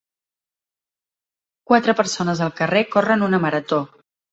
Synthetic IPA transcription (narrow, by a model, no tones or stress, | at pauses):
kwat̪ɾəpəɾsonəzəlˠkərekorənunəməɾət̪o